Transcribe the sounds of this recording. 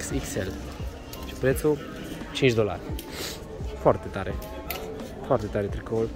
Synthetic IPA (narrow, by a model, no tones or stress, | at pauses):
ksiksel | ʃipɾet̪su | t͡ʃint͡ʃd̪ola̰r | foart̪et̪aɾe | foart̪et̪aɾet̪ɾikol